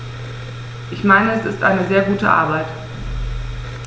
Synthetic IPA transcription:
ʔɪçmaɪnəɛsɪstʔa̰ɪnəzeːɐɡuːtəʔa̰ɐbaɪt

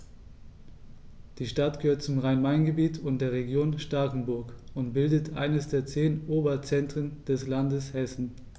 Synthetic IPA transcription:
d̥iːʃtatɡ̥əhøːɐt̚t͡sʊmʁaɪnmaɪnɡəbiːtʰʊnt̚d̥eːɐʁeɡjoːnʃtaɐkŋ̩bʊɐkʊntb̥ɪldətʰʔa̰ɪnəsd̥eːɐt͡seːnʔoːbɐt͡sɛntʁ̥ənd̥ɛslandəshɛsn̩

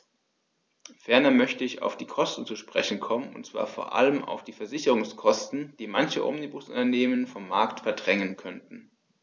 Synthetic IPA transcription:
fɛɐnɐmœçtəɪça̰ʊfd̥iːkʰɔstn̩t͡suʃpʁ̥ɛ̰çn̩kʰɔmənʊ̰ntt͡sv̥a̰ːɐfo̰ːɐʔa̰ləma̰ʊfd̥iːfɛɐzɪçəʁʊŋskʰɔstn̩d̥iːmançəʔɔ̰mnibʊsʔʊ̰ntɐneːmənfɔmːaɐktfɛɐdʁɛŋənkʰœntn̩

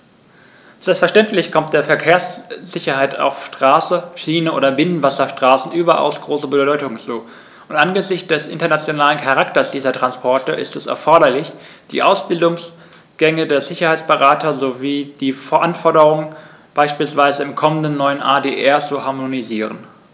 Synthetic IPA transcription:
z̥ɛlpstfɛɐʃtɛntlɪçkʰɔmt̚d̥eːɐfɛɐkʰeːɐsz̥ɪçɐhaɪta̰ʊfʃtʁ̥aːsəʃiːnəʔo̰ːdɐbɪnənvasɐʃtʁ̥aːsn̩ʔyːbɐʔa̰ʊsɡ̥ʁoːsəbədɔʏtʊŋənt͡suː | ʔʊntʔanɡəzɪçtd̥ɛsʔɪ̰ntɐnat͡sjonaːlənkʰaʁaktɐsd̥iːzɐtʁ̥anspʰɔɐtəʔɪ̰stɛsɛ̰ɐfɔɐɾɐlɪç | d̥ḭːʔaʊsb̥ɪldʊŋs | ɡ̥ɛŋədeːɐzɪçɐhaɪt͡sb̥əʁaːtɐzoviːd̥iːfɛɐʔanfɔɐdəʁʊŋən | b̥aɪʃpiːlsv̥aɪzəɪmkʰɔməndənːɔʏənʔaːdeːʔɛɐt͡suhaɐmoniziːʁ̞ə̰n

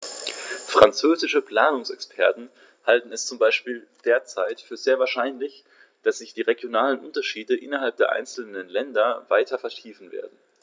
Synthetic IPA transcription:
fʁ̥ant͡søːzɪʃəpl̥aːnʊŋsɛkspʰɛɐtn̩ | haltn̩ɛst͡sʊmbaɪʃpiːld̥eːɐt͡saɪtfyːɐzeːɐvaːɐʃaɪnlɪç | d̥asz̥ɪçd̥iːʁeɡjonaːlənʔʊntɐʃiːdəʔɪnɐɦalp̚d̥eːɐʔa̰ɪnt͡sl̩nənlɛndɐvaɪtʰɐfɛɐtʰiːfn̩vḛːɐdn̩

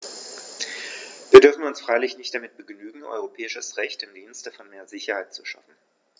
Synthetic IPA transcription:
viːɐdʏɐfn̩ʊnsfʁ̥aɪlɪçnɪçtd̥amɪt̚b̥əɡnyːɡŋ̩ʔɔ̰ʏʁ̞opʰɛːɪʃəsʁɛçtɪmdiːnstəfɔnmeːɐzɪçɐhaɪtt͡suʃa̰fn̩

